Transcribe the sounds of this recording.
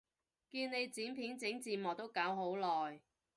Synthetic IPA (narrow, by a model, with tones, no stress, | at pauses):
kiː˧nne˨˧jt͡siː˨˥npʰiː˨˥nt͡sɪ˨˥ŋt͡siː˨˧mɔː˨˩t̪o˥wkaː˨˥wɦo˨˥wlɔː˨j